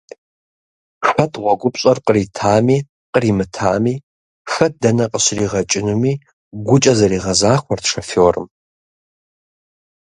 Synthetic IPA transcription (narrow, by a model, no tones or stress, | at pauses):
ɕʷɐtʰʁʷɔɡʷʼʊpʼɕʼɐrqəriːtʰaːmiː | qəriːmɨtʰaːmiː | xɐt̚dɐnɐqʼəɕriːʁɐt͡ʃʼɪnumiː | ɡʷʊt͡ʃʼɐzɐɾiːʁɐzaːxʷɔrtʂɐfowːrɨm